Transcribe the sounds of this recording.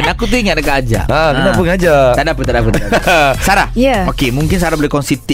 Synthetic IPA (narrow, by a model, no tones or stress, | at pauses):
nakut̪̬uiŋat̪̚nəkaad͡ʒa̰əkənapʊŋad͡ʒat̪aʔdapət̪adapət̪saɾahjaokemuŋkɪnsaɾahbolekɔnsit̪i